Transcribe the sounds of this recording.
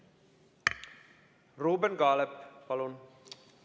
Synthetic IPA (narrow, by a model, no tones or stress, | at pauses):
roːbənɡaːləppalon